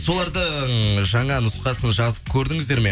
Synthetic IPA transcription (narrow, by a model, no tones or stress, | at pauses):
so̞lˠɑɾd̪əʒɑɴɑnʊsqɑsənʒɑzəp̚kʲʰɵɾd̪ɪŋɪzd̪e̞ɾme̞